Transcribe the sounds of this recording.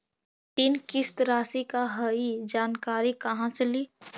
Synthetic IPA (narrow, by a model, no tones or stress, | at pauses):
ʈ̪inkɪst̪ɾaːsikaɦəid͡ʒaːnkaːɾikɐɦãseliː